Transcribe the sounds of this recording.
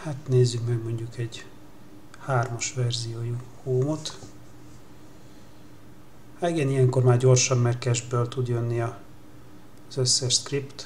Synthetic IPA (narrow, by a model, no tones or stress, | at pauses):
hat̪neːzːykmɛɡmo̞ɲɟukɛɟ | haːrmɒʃʋɛrzijoːju | hoːmot̪ | haiɡɛnijɛŋko̞rmaːrɟo̞rʃɒmːɛrkɛʒbølt̪ud̪jønːiɒ | z̥øsːɛʃskript̪